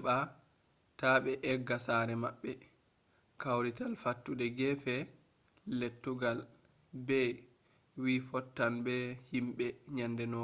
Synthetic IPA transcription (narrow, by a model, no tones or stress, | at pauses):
ɓa | taɓɛʔɛɡːasaɾɛmaɓːɛ | kawɾitalfatːudɛɡɛfɛː | etːuɡal | bɛ | wifɔtːanbɛhimɓɛɲandɛnɔ